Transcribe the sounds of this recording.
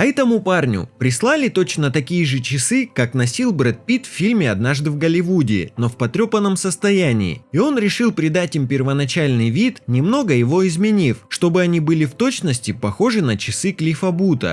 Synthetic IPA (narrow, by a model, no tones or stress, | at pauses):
ɛt̪əmuparnʲʊ̰pɾʲɪslˠalʲɪt̪o̞t͡ɕnət̪ɐkʲijɪʐɨt͡ɕɪsɨkaknɐsʲilˠbɾɛt̪̚pʲit̪fʲfʲilʲmʲɪɐd̪naʐd̪ɨvɡəlʲɪvudʲɪ̰ːno̞fpɐt̪ɾʲopənːəmsəst̪ɐjænʲɪ̰ːɪo̞nɾʲɪʂɨlˠpɾʲɪd̪atʲimpʲɪrvənɐt͡ɕælʲnɨjvʲit̪nʲɪmno̞ɡəjɪvo̞ɪzmʲɪnʲifʂt̪o̞bɨɐnʲibɨlʲɪft̪o̞t͡ɕnəsʲtʲɪpɐxo̞ʐɨnət͡ɕɪsɨklʲɪfɐbut̪ə̰